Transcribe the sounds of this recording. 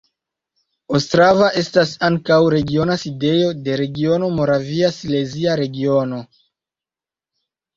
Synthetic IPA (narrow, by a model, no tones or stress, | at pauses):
ostɾavaʔe̞stasaŋkawɾe̞ɡio̞naside̞jo̞de̞ɾe̞ɡio̞no̞mo̞ɾaviasile̞ziaɾe̞ɡio̞no̞